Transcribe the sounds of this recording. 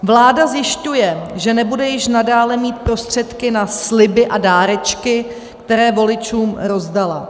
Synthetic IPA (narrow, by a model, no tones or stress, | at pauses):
vlaːdazjɪʃcujɛʒɛnɛbudɛjɪʃnadaːlɛmiːt̪̚pɾo̞st̪r̝̥ɛt̪kɪnasslɪbɪʔadaːɾɛt͡ʃkɪ | ktt̪ɛɾɛːvo̞lɪt͡ʃuːmɾo̞zdala